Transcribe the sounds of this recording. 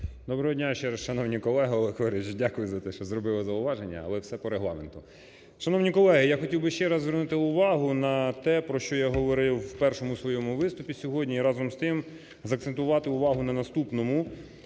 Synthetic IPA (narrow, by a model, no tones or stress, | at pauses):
d̪ɔbɾɔɦɔdʲnʲaʃt͡ʃɛɾɐsʃɐnɔwnʲikɔlˠɛɦɐɔlˠɛkɔɾɪt͡ʃdʲakʊjʊzɐt̪ɛʃt͡ʃɔzɾɔbɪlˠɐzɐʊʋɑʒenʲːɐ̰ɐ̰lˠɛwsɛpɔɾeɦlˠɑ̰ment̪ʊ | ʃɐnɔwnʲikɔlˠɛɦɪjaxɔtʲiwbɪʃt͡ʃɛɾɐzzʋernut̪ɪʊʋɑɦʊnɐt̪ɛpɾɔʃt͡ʃɔjaɦɔʋɔɾɪwpɛrʃɔmʊsʋɔjɔmʊʋɪst̪ʊpʲisʲɔɦɔdʲnʲiɾɑzɔmst̪ɪm | zɐkt̪sent̪ʊʋɑt̪ɪʊʋɑɦʊnɐnɐst̪upnɔmʊ